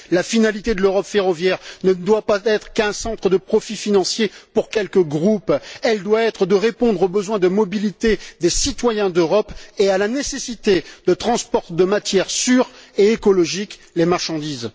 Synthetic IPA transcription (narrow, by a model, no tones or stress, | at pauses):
lafinalit̪ed̪əløʁɔpfeʁɔvjɛʁnəd̪wapaɛt̪χəkɛ̃sɑ̃t̪χəd̪əpχɔfifinɑ̃sjepuʁkʲɛlkəɡʁupɛld̪waɛt̪χəd̪əʁepɔ̃d̪ʁobəzwɛ̃d̪əmɔbilit̪ed̪esit̪wajɛ̃d̪øʁɔpealanesesit̪ed̪ət̪χɑ̃spɔʁt̪d̪əmat̪jɛʁsyʁeekɔlɔʒik | lemaʁʃɑ̃d̪iz